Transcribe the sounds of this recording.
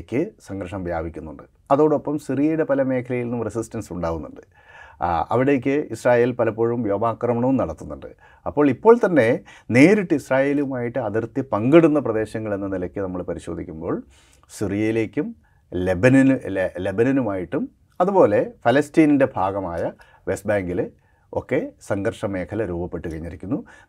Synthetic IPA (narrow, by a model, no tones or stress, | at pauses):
kʲːɨsɐŋɡɾɐʂɐmbʱja̰ːbʱikʲːunːuɳɖɨ | ɐðo̞ːɽɨo̞pːɐmsirijɐjuɽepɐlɐme̞ːkʰɐlɐjilnumresistɐnsuɳɖaːʋunːuɳɖɨ | ɐ̰ʋiɽe̞k̬ʲːɨisraːje̞ːlpɐlɐpːoɻɐumjoːbaːkrɐmɐɳɐʋumnɐɽɐt̪ːunːuɳɖɨ̰ | ɐpːo̞ːɭipːo̞ːɭt̪ɐnːe̞ne̞ːɾiʈːɨisraːje̞ːluʋumaːjiʈːɨɐðɐrt̪jɐpɐŋɡɐɽunːɐprɐd̪e̞ːɕɐŋːɐɭenːɐnilɐkʲːɨnɐmːɐɭpɐɾiɕo̞ːd̪ʱikʲːumbo̞ːɭ | sirijɐjile̞ːkʲːum | lebɐninle̞bɐnɐnumaːjiʈːum | ɐðubo̞ːle̞fɐlɐstiːninde̞bʱaːɡɐmaːjɐ | ʋe̞st̚baːŋɡil | o̞̰kːe̞sɐŋɡɐrʂɐme̞ːkʰɐlɐɾuːbɐpːe̞ʈːukɐɻiɲːiɾikʲːunːu